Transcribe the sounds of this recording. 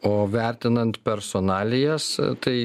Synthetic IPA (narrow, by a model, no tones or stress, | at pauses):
oːʋʲæˑɾʲt̪ʲɪnɐnt̪pʲɛɾsoːnɑːlʲɪjɛst̪ɐɪ